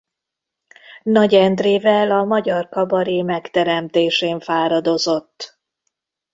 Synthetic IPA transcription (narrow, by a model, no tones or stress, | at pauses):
nɒɟɛnd̪reːvɛlɒmɒɟɒrkɒbɒɾiːmɛkt̪ɛɾɛmt̪eːʃeːɱfaːɾɒd̪o̞zo̞t̪ː